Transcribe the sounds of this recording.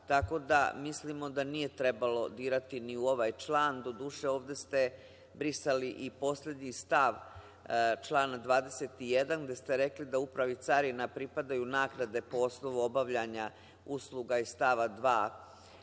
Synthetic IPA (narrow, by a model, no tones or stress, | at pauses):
t̪ako̞d̪a̰mislimo̞d̪anije̞t̪ɾe̞balo̞d̪iːɾat̪iniuo̞ʋaːjt͡ʃlˠaːnd̪o̞d̪uːʂe̞o̞ːʋd̪e̞st̪e̞ | bɾisaliʔipo̞sle̞d̪ɲist̪aʋ | t͡ʃlˠaːnad̪ʋaːd̪e̞set̪ijed̪anɡd̪e̞st̪e̞ɾe̞klid̪aupɾaʋit̪saɾinapɾipad̪ajunaːɡnad̪e̞po̞osno̞ʋuo̞baʋʎaɲa | uslˠuɡaist̪aʋad̪ʋaː